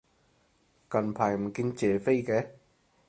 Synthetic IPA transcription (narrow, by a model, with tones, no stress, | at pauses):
kɐ˨˩npʰaː˨˩jm̩˨˩ki˧nt͡ɕɛː˨˩fe˧jkɛ˨˦